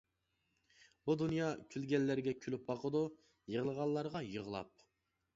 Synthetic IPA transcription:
bud̪unjɑkʲʰylɡʲɛlːæɾɡʲɛkʲʰylyp̚bɑqʰəd̪u | jəʁəlˠəʁɑlˠːɑɾʁɑjəʁəlˠɑ̰p̚

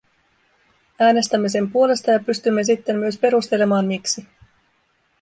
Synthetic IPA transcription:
æːne̞st̪æmːe̞s̬e̞mpuo̞le̞st̪ɑjɑpyst̪ymːe̞s̬it̪ːe̞mːyøspe̞ɾust̪e̞le̞mɑːnmiksi

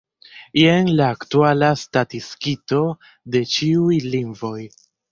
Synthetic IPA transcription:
ienlaːktualastatiskito̞ | de̞t͡ʃiujliŋvo̞j

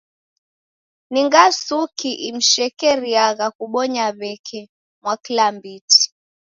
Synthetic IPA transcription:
niŋɡasukiʔim̩ʃɛkɛɾiaɣakuɓɔɲaβɛkʰɛ | mwakilambiti̥

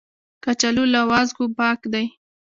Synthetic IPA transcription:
kat͡ʃalulawazɡupɑkd̪aj

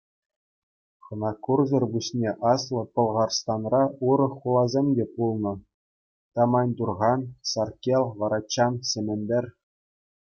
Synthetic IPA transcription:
χɤ̆nɑkurzʲɤ̆rbuɕnʲeʔɑslˠɤ̆pɤ̆lˠʁɑrst̪ɑnrɑuɾɤ̆χːulˠɑzʲemʲdʲepulˠnɤ̆ | t̪ɑmɑnʲd̪urʁɑnsɑrkʲelʲˠʋɑɾɑt͡ɕːɑnsʲɘ̆mʲɘ̆nʲbʲɘ̆rʲ

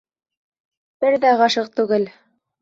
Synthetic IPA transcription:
b̥ɘɾðæʁɑʃɤq̚t̪ʉɡɘl

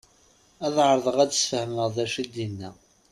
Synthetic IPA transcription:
æðʕəɾˤəðˤəʁædəsfəhməʁðæʃid̪jinːæ

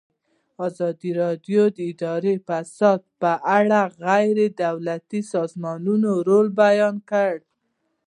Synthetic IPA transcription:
ɑzɑd̪iɾɑd̪jod̪əɪd̪ɑɾefasɑd̪̚pəʔaɽaɣajɾed̪awlat̪isɑzmɑnunoɾolbajɑnkəɽ

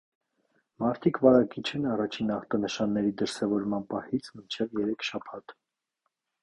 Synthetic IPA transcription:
mɑɾt̪ʰikʰvɑɾɑkit͡ʃʰɛnɑrɑt͡ʃʰinɑχt̪ɑnəʃɑnːɛɾid̪əɾsɛvɔɾmɑnpɑhit͡sʰmint͡ʃʰɛvjɛɾɛkʰʃɑpʰɑt̪

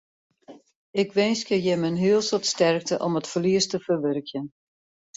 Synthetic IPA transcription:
ɪkʋɪnskəjɛmənɦiəlˠsɔtstɛrk̚təʔɔmətfəliəstəfərʋørkjən

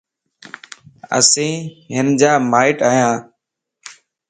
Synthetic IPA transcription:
ə̰sĩːɦɪnd͡ʒaːmaːɪʈaːjãː

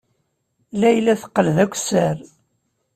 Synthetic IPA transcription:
læjlːæθə̥qːəlðækʷːsəɾ

